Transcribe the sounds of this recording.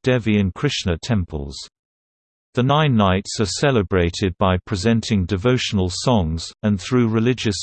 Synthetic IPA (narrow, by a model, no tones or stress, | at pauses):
d̥ɛviɪ̃nkʰɹ̥ɪʃnətʰɛ̃mpʰə̰lˠz̥ | ðənãɪ̃nːaɪtsəsɛləbɹeɪtʰɪd̚baɪpʰɹ̥ɪzɛ̃ntʰɪ̃ŋdɨvoʊʃənəlˠsɒ̃ŋz̥ə̃nθɹʉːɹɪlɪd͡ʒəs